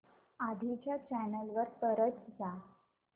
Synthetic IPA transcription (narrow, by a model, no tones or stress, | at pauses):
ad̪ʱit͡ɕjat͡ɕænəlʋəɾpəɾət͡sd͡za